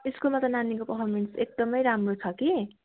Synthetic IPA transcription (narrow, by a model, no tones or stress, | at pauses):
eskulmat̪ʌnanikopʌpʰʌrmeɳʈsek̚d̪ʌmʌjɾamrot͡sʰʌki